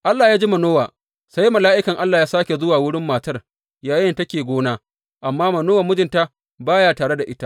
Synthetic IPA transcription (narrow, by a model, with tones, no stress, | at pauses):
ʔa˦lːaː˨jaː˦d͡ʒi˦mɐ˨noː˦waː˨ | sa˦jmɐ˨laː˦ʔɪ˦kɐ˨ŋʔa˦lːaː˨jaː˦saː˦kʲe˨zʊ˦waː˨wʊ˦ɽɪ˦mːaː˨tɐ˦r | jaː˨˦jɪ˦ntɐ˦kʲeː˨ɡʷoː˦naː˦ | ʔa˨mːaː˦mɐ˨noː˦wa˨mʊ˦d͡ʒɪ˨nta˦ | baː˦ja˨taː˨ɽe˦da˨ʔɪ˦ta˦ʔ